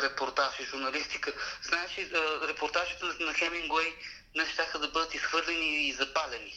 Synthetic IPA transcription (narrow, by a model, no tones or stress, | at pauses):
ɾɛpoɾt̪aʒiʒuɾnɐlist̪ikəznaɛt͡ʃɛəɾɛpoɾt̪aʒit̪ənɐxɛmiŋɡwɛj | nɛʃt̪axəd̪ɐbɤd̪ət̪isxvɤɾlɛniːzɐpalɛni